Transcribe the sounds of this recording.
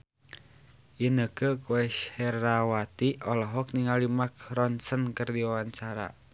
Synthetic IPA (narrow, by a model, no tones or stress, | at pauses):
jənəkəkuɛʃhɛrawat̪iɔlɔɦɔk̚niŋalimak̚rɔnsənkərdiwawaɲt͡ʃaɾa̰